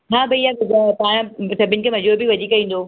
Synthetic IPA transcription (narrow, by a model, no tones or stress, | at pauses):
ɦãːbʱɐijabɪzapãɽ̃sɐbʱɪnɪ̆kʰemɐzuːɾbʱiʋɐd͡ʑikɐĩːn̆d̪oː